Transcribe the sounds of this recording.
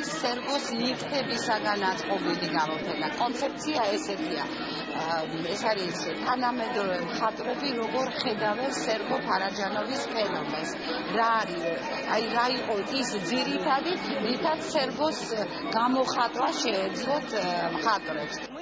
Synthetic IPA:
sːɛɾɡɔsniɾt̪ʰɛbisaɡanat̪sʼqʼɔbiliɡamɔpʰɛnakʼɔnt̪sʰɛp̚t̪sʰiaɛsɛt̪ʰia̰ | ɛsaɾis | t̪ʰanamɛd̪ɾɔvɛmχat̪ʼɾɛbiɾɔɡɔɾχɛd̪avɛnsɛɾɡɔpʰaɾad͡ʒanɔvispʰɛnɔmɛns | ɾaːɾi | aiɾaiqʼɔisd̪ziɾit̪ʰad̪init̪ʰat̪sɛɾɡɔs | ɡamɔχat̪ʼwaʃɛːd̪zlˠɔt̪ʰmχat̪ʼɾɛps

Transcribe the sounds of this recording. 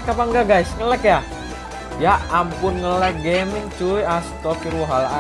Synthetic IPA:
kapaŋɡaɡaisŋəlɛkja | jaʔampʊnŋəlɛk̚ɡemɪŋt͡ʃujast̪ɔkiɾwɔɦala

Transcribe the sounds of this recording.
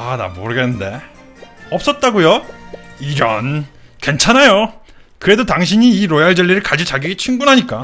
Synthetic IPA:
ada̰moɾɯɡenːɯnde̞ | ʌp̚s͈ʌt̚t͈aɡojo | iɾʌn | ke̞nt͡ɕʰanajo | kɯɾe̞dotaŋɕ̬ʰiɲiːɾojaɭd͡ʑʌɭːiɾɯɭkad͡ʑit͡ɕaɡiɡit͡ɕʰiŋɡunɦaɲik͈a

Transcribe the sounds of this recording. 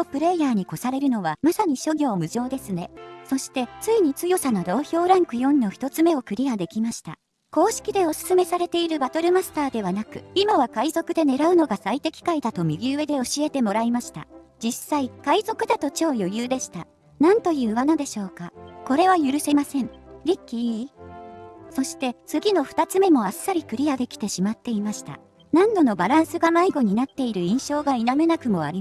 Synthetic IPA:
t̪opɯ̟ɾe̞ːjaːɲ̟iko̞saɾe̞ɾɯ̟no̞β̞amasaɲ̟iɕo̞ɡʲo̞ːmɯ̟ʑo̞ːd̪e̞sɨne̞so̞ɕi̥t̪e̞t͡sɨiɲ̟it͡sɨjo̞sanod̪o̞ːçʲo̞ːɾãŋkɯ̟jõ̞nːo̞çi̥t̪o̞t͡sɨme̞o̞kɯ̟ɾʲiad̪e̞kʲimaɕi̥t̪a̰ | ko̞ːɕi̥kʲid̪e̞o̞sɨ̥sɨme̞saɾe̞t̪e̞iɾɯ̟bat̪o̞ɾɯ̟masɨ̥t̪aːd̪e̞βanakɯ̟imaβakaizo̞kɯ̟d̪e̞ne̞ɾaɯ̟no̞ɡasait̪e̞kʲi̥kaid̪at̪o̞mʲiɡʲiɯ̟e̞d̪e̞o̞ɕie̞t̪e̞mo̞ɾaimaɕi̥t̪a̰d͡ʑisːaikaizo̞kɯ̟d̪at̪o̞t͡ɕo̞ːjo̞jɯ̟ːd̪e̞ɕi̥t̪a | nãnt̪o̞jɯ̟ːβanad̪e̞ɕo̞ːkako̞ɾe̞β̞ajɯ̟ɾɯ̟se̞masẽ̞ɴɾʲikʲːi | so̞ɕi̥t̪e̞t͡sɨɡʲino̞ɸɯ̥t̪at͡sɨme̞mo̞asːaɾʲikɯ̟ɾʲijad̪e̞kʲi̥t̪e̞ɕimat̪ːe̞imaɕi̥t̪a̰ | nãnd̪o̞no̞baɾãɰ̃sɨɡamaiɡo̞ɲ̟inat̪ːe̞iɾɯ̟ĩɰ̃ɕo̞ːɡainame̞nakɯ̟mo̞a̰ɾʲi

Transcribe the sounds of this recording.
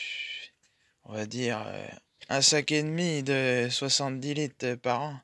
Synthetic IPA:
ɔ̃vad̪iːʁø̰ | ɛ̃saked̪mid̪əswasɑ̃t̪̚d̪ilit̪paʁɑ̃

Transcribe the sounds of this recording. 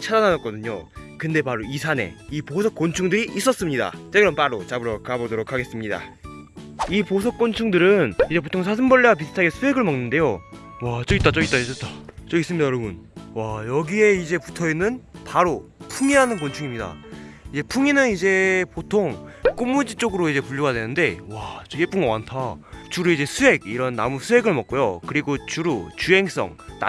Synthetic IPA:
t͡ɕʰadananʌt̚k͈ʌdɯɲo̰kɯnde̞paɾoisʰane̞̰iposʰʌk͈ont͡ɕʰuŋdɯɾiʔːs͈ʌs͈ɯmɲida̰t͡ɕ͈eɡɯɾʌmp͈aɾot͡ɕabɯɾʌkabodoɾokʰaɡe̞s͈ɯmɲida̰ | iposʰʌk͈ont͡ɕʰuŋdɯɾɯnid͡ʑe̞p̬otʰoŋs̬ʰasʰɯmbʌɭːewap̬isʰɯ̥tʰaɡesʰuwe̞ɡɯɭmʌŋnɯnde̞jo | wat͡ɕ͈ʌɡit͈at͡ɕ͈ʌɡit͈ais͈ʌt͈at͡ɕ͈ʌɡis͈ɯmɲidajʌɾʌbunwajʌɡie̞id͡ʑe̞putʰʌinːɯnpaɾopʰuŋiɦanɯnkont͡ɕʰuŋimɲida̰id͡ʑe̞pʰuŋinɯnid͡ʑe̞potʰoŋk͈omːud͡ʑit͡ɕ͈oɡɯɾoid͡ʑe̞puʎːjoɡadwe̞nɯnde̞wat͡ɕʌep͈uŋɡwantʰat͡ɕuɾuid͡ʑe̞sʰuɦe̞ɡiɾʌnːa̰musʰuɦe̞ɡɯɭmʌk͈̚ojo̰kɯɾiɡot͡ɕuɾut͡ɕuɦe̞ŋs͈ʌ̰ŋna̰

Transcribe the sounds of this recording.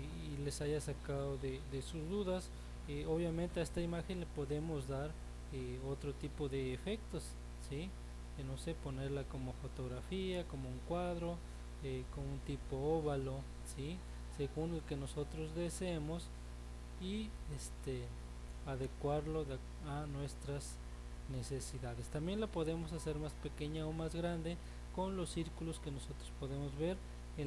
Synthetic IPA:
ilesaʝasakaðoðeðesuzd̪uðas | eoβjamẽnt̪eaest̪aimaxenlepoðemozðaɾ | eot̪ɾot̪ipoðeːfek̚t̪os | si | d̪enoseponeɾlakomofot̪oɣɾafiakomouŋkwaðɾo | ekonunt̪ipooβalo | si | seɣunlokenosot̪ɾozðeseemos | i | est̪e | aðekwaɾloð | anwest̪ɾas | nesesiðaðest̪ambjenlapoðemosaseɾmaspekeɲaomazɣɾand̪e | konlosːiɾkuloskenosot̪ɾospoðemozβeɾ | e

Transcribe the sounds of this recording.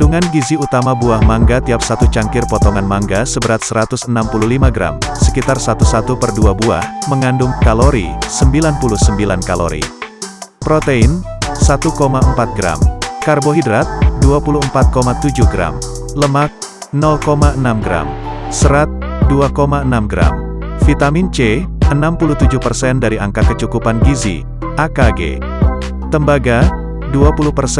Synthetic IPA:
duŋanɡiziut̪amabuahmaŋɡat̪iap̚sat̪ut͡ʃaŋkɪrpɔt̪ɔŋanmaŋɡasəbəɾat̪̚səɾat̪ʊsənampuluhlimaɡɾa̰msəkit̪arsat̪usat̪upərduabua̰hməŋandʊŋkaloɾḭsəmbilanpulusəmbilankalo̰ɾḭ | pɾot̪einsat̪ukomaəmpat̪̚ɡɾa̰mkarboɦidɾat̪̚duapuluəmpat̪̚komat̪ud͡ʒuhɡɾa̰m | ləmak̪̚ | nɔlkomaʔənamɡɾa̰m | səɾat̪̚ | duakomaənamɡɾa̰m | fit̪amint͡ʃe | ənampuluht̪ud͡ʒuhpərsɛndaɾiʔa̰ŋkakət͡ʃukupanɡizḭ | akaɡḛ | t̪əmbaɡa | duapuluhpərs

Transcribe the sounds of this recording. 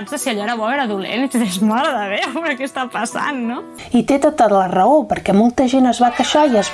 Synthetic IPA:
nzðəsiəʎɔeɾəβɔeɾəðulḛnit͡ʃðezmaləðəβeɛɾəkɛst̪apɐsa̰nːo | it̪et̪at̪at̪lərəopəɾkɛmolˠt̪əʒenəzβakəʃaiəz

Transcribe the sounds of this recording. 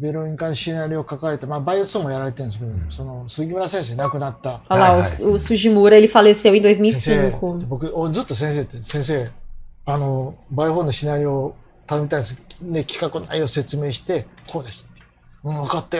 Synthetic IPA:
beɾoĩɲkãneɕinaɾʲio̞kakaaɾet̪amabaiot͡sɨ̥omojaɾaɾet̪eɯ̟̃nesked̪osono̞sɨːɡʲimɯɾasẽɰ̃s̬e̞ːnakɯ̟nat̪ːaalaosuʑimoɾelʲifalesaĩnd̪oes̬misiekobo̞kɯod͡zzɨt̪ːo̞s̬ẽ̞ɰ̃s̬e̞ːt̪ːesẽ̞ɰ̃s̬e̞ːanobaihoːnoɕinaɾʲio | t̪anomʲit̪aĩnsnekʲʰi̥kakɯna̰io̞se̞t͡sɨme̞ːɕi̥t̪e̞kʰo̞ːd̪e̞sɨ̥t̪ːe̥ | ɯ̃βakat̪ːajo

